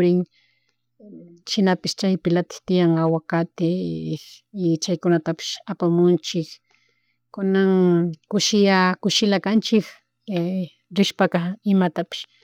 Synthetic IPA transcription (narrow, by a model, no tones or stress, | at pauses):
ɾɪŋ | ʃɪnapɪʃt͡ʃajpɪlat̪ɪ̥t̪ɪjaŋawakat̪ɪ | ɪt͡ʃajkʊnat̪apɪ̥ʃapamʊnt͡ʃɪk | kʊnaŋkʊʃɪjakʊʃɪlakant͡ʃɪk | ɾɪʃpakaɪmat̪apɪ̥ʃ